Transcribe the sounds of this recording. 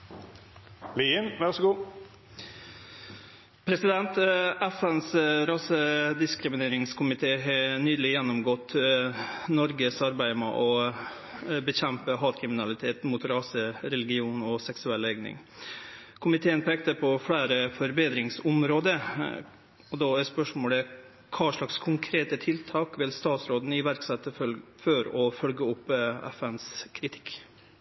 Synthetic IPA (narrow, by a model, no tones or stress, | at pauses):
liənʋæʁsɡuː | pʰɾɛsɪd̪ɛnt̪ʔæfɛnsɾɑːsəd̪ɪskɾɪmɪneːɾɪŋskʰʊmɪt̪ʰeːɦɑnyːd̪lɪjɛnːʊmɡɔt̪ː | nɔɾɡəsɑɾbæɪmɛ̰ʔɔ | bəçɛmpəɦɑːt̪kʰɾɪmɪnɑlɪt̪ʰeːt̪muːt̪ɾɑːsəɾɛlɪɡɪuːnɔsɛksʉɛlːɛɡnɪ̰ŋ | kʰʊmɪt̪ʰeːənpʰɛːk̚t̪əpʰɔfɽæːɾəfɔɾbeːd̪ɾɪŋsʊmɾoːd̪ə | ɔd̪ɑæspœʂmoːlə | kʰɑːʂɭɑkskʰʊŋkʰɾeːt̪ət̪ʰɪlt̪ʰɑːkʋɪlst̪ɑːt̪sɾoːd̪n̩ɪʋæɾksɛt̪ːəfœɾɔfœlɡəʊpːɛ̰fɛnskʰɾɪt̪ʰɪ̥k